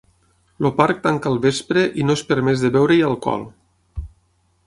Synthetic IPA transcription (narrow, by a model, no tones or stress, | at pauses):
lopaɾk̚t̪aŋkaːlˠβespɾeʔinoespəɾmɛzðeβɛwɾejəlˠkɔ̰lˠ